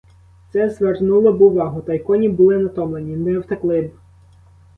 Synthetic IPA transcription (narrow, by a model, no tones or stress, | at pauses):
t̪sɛzʋernulˠɔbʊʋɑɦʊt̪ɐjkɔnʲibʊlˠɪnɐt̪ɔmlˠenʲinɛwt̪ɐklˠɪb